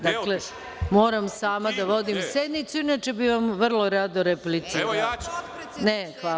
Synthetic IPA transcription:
d̪akle | moːɾamsaːmad̪aʋo̞d̪imsed̪nit̪suinat͡ʃe̞biʋamʋrlo̞ɾad̪oɾeplit̪siɾal | nexʋa

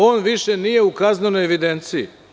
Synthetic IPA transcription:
o̞ːnʋiʃenije̞ukazneno̞jeʋid̪ent̪sijḭ

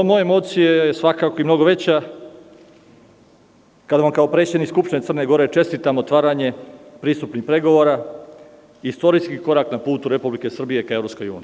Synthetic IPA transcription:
mojeemo̞t̪sijejesʋakako̞imno̞ɡo̞ʋe̞t͡ɕa | kad̪aʋamkaopɾe̞t͡ɕed̪nikskupʃt̪inesərneɡo̞ɾe̞t͡ʃe̞st̪it̪amot̪ʋaːɾaɲe̞pɾiːst̪upnixpɾe̞ɡo̞ʋoɾa | iist̪o̞ɾiskiko̞ɾaknapuːt̪uɾe̞publike̞sr̩bije̞kaeɾopsko̞juːnie

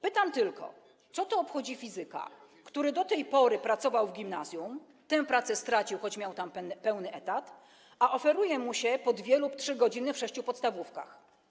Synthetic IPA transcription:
pɘt̪amt̪ɘlkɔ̰ | t̪sɔt̪ɔːpxɔd͡ʑifʲizɘka̰ | kt̪uɾɘd̪ɔt̪ɛjpɔɾɘpɾat̪sɔvawvɡʲimnazjum | t̪ɛ̃pɾat̪sɛst̪ɾat͡ɕiwxɔt͡ɕmʲjawt̪ampɛwnɘʔɛt̪at̪ | aʔɔfɛɾujɛmuɕɛpɔd̪vʲjɛluptʂɘɡɔd͡ʑinɘfʂɛɕt͡ɕupɔt̪st̪avufka̰x

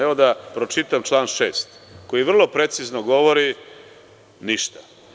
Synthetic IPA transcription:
eʋo̞d̪apɾo̞t͡ʃit̪amt͡ʃlˠaːnʃe̞ːst̪ko̞jiʋr̩lˠo̞pɾe̞t̪siznoɡo̞ʋo̞ɾi | niʃt̪ḁ

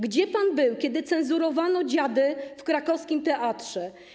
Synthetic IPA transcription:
ɡd͡ʑɛpanbɘwkʲɛd̪ɘt̪sɛnzuɾɔvanɔd͡ʑad̪ɘfkɾakɔfskʲimt̪ɛʔat̪ʂɛ

